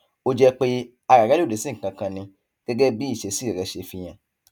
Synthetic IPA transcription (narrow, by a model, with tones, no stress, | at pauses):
o˦˧d͡ʒɛ˧k͡pe˦ | a˧ɾa˨ɾa˦˨e˨˦sĩ˦ŋ̩˨kã˧kã˧nĩ˧ | ɡ̥ɛ˦ɡɛ˦bi˦i˦˨ʃe˨˦si˦˨ɛ˨ɾɛ˧ʃe˧fi˧j̃ã˨